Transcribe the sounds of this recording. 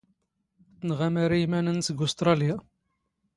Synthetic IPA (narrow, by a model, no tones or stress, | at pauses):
θnʁamaɾaimænənsəɡʊst̪ɾˤɑlja